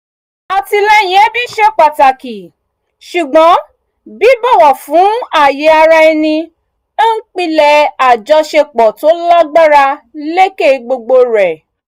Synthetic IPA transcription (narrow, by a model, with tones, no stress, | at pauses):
a˨ti˧lɛ˦˨j̃ɛ̃˨˦bi˦ʃɛ˦k͡pa˨ta˨ki˨ | ʃu˨ɡ͡bɔ̃˨˦ | bi˨˦bo˦˨wɔ˨fũ˨˦a˦˨je˨˧˦a˧ɾa˧i˧nĩ˧˦ | n̩˦k͡pi˦lɛ˧˨a˨d͡ʒɔ˧ʃe˧k͡pɔ˨to˨˦la˦ɡ͡ba˦ɾa˧le˦ke˦˨˧ɡ͡bo˧ɡ͡bo˧ɾɛ˨